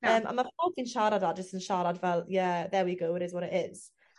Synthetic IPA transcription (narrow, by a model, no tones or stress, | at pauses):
əːmʔa̰mafɔlˠkinʃaːɾadad͡ʒəstɪnʃaːɾadvɛlˠjəðɛwiɡowɪɾɪzwɔɾɪtɪz̥